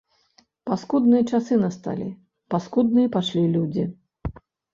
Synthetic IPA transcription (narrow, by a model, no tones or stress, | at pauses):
paskud̪nɨjɐt͡ʂasɨnast̪a̰lʲḭ | paskud̪nɨjɐpaʂlʲilʲud͡zʲi